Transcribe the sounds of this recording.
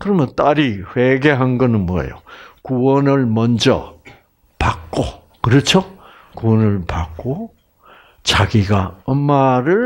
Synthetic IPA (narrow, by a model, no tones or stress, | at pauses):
kɯɾʌmjʌnt͈aɾiɸweɡeɦanɡʌnɯnmwʌjḛjokuwʌnɯɭmʌnd͡ʑʌ̰ | pak̚k͈o | kɯɾʌt͡ɕʰo | kuwʌnɯɭpak̚k͈o | t͡ɕaɡiɡaʌmːaɾɯɭ